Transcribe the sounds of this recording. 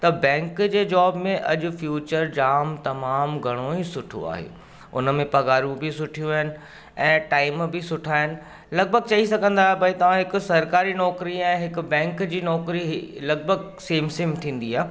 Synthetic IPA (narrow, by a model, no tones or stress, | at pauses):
t̪ɐbɛ̃ːŋkd͡ʑeːd͡ʑaːbmẽʔɐ̰ʄʊ̆fjuːt͡ɕəɾd͡ʑaːmt̪ɐmaːmɡʱɐɽ̃oisʊʈʰo̰a̰ːɦḛː | ʊ̰nəmẽpɐɡaːɾũbʱɪsʊʈʰijũaːɦɪnɪ̆ | ɛ̃ːʈaːɪmbʱɪsʊʈʰaːɦɪnɪ̆ | lɐɡ̚bʱəɡ̚t͡ɕɐisɐɡʱə̃nd̪aːɦebʱɐit̪ɐʋ̤ãɦɪkʊsɐɾkaːɾinɔːkɾiɛ̃ːɦɪkʊ̆bɛ̃ːŋkd͡ʑiːnɔːkɾiɦlɐɡ̚bʱəɡ | seːmsĩːmt̪ʰĩːn̆d̪iaːɦe